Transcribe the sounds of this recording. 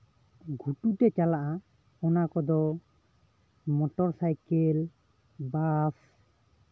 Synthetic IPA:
ɡʱuʈuʈɛt͡ʃalaʔa | ɔnakɔd̪ɔ | mɔʈɔɾsajkel | bas

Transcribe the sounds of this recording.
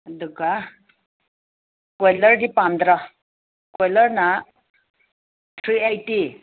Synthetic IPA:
d̪uɡa | kojləɾɖipãnd̪ɾa | kojləɾna | t̪ʰɾiajʈi

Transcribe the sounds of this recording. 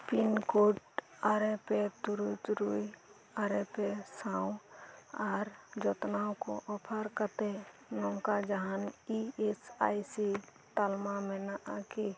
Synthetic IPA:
pinkoʈaɾepet̪uɾut̪ɾui | aɾepesãːũ | aːɾd͡ʒɔt̪naõko̰ʔɔpʰəɾkət̪e | nõŋkad͡ʒəɦaniesaisi | t̪almamẽnəʔake

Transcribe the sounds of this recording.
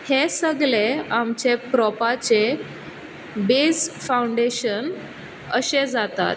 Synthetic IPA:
hesəɡleamt͡ɕepɾɔpat͡se | bed͡zfawɳɖeɕən | əɕed͡zat̪a̰t̪̚

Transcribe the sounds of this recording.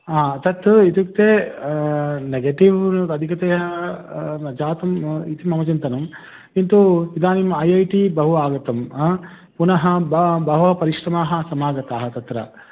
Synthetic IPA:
aːt̪ɐt̪it̪ikt̪eː | neɡeːʈiʋɐd̪ʱikɐt̪eːɦɐ | d͡ʒaːt̪ɐmit̪imɐmɐt͡ʃɐnt̪ɐnɐm | int̪uid̪aːnimɐjɐjʈibɐɦuaːɡɐt̪ɐm | punɐɦɐbɐbɐɦɐpɐɾiʂɾɐmaːɦɐsɐmaːɡɐt̪aːɦɐt̪ɐt̪ɾɐ̰

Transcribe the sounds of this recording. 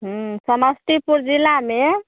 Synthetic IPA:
ɦũsəməsʈ̪ipuɾd͡ʒilame

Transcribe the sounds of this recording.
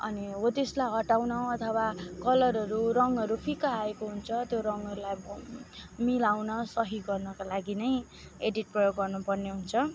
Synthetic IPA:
ʌ̰niɦot̪eslajɦʌʈawnʌ̃ʌt̪ʰʌwakʌlʌɾʌɾuɾʌŋʌɾupʰikaːekoɦunt͡sʰʌt̪joɾʌŋʌɾulaj | milawnʌsʌɦiɡʌrnʌkalaɡinʌj | eɖiʈ̚prʌjoɡʌrnupʌrneɦunt͡sʰʌ

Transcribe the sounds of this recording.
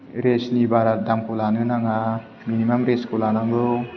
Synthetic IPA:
ɾesnibaɾadamkulanɯnaŋa | minimamɾeskulanaŋɡɯw

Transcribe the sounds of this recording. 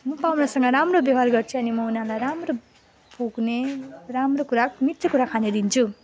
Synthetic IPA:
mʌpawnasʌŋɡʌɾamrobjʌɦarɡʌrt͡sʰuʌnimʌunãlajɾamro | puɡneramrokuɾamit̪rʌkuɾakʰaned̪int͡sʰu

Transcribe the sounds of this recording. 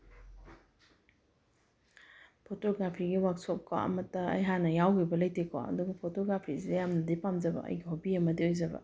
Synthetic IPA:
pʰotoɡɾapʰiɡiwak̚sop̚kʰa̰ɐ̰mɐtːɐɐ̰jɦanːɐjawɡibɐlɐjtekʰo̰ɐ̰duɡɐpʰotoɡɾapʰisidjamnɐdipamd͡ʒɐbɐ̰ʔɐ̰jɡiɦobiɐmɐdiojzɐbɐ̰

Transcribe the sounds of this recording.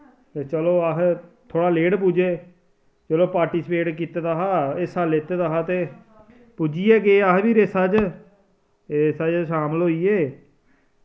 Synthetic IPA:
eːt͡ʃəloːəɦt̪ʰoːɽaːleːɽpuːd͡ʒeː | t͡ʃəloːpaːɾʈiːsəpeːʈkiːt̪eːd̪aːɦaːesaːleːt̪eːd̪aːɦaːt̪eː | puːd͡ʒiːɛːɡeəɦbiːɾesaːd͡ʒ | esaːd͡ʒʃaːmlɦoːiːeː

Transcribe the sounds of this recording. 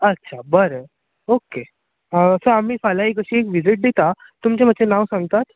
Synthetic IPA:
ətːɕʰabəɾə | oke | əsəam̤iːfalaɦiːkəɕiːekʋid͡ziʈ̚d̪et̪a | t̪umt͡ɕemət͡ɕenaʋsãŋɡt̪at̪

